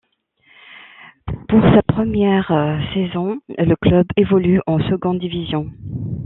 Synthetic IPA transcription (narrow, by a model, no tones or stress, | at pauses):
puʁsapχəmjɛʁsezɔ̃ləklœbevɔlyʔɑ̃səɡɔ̃d̪ivizjɔ̃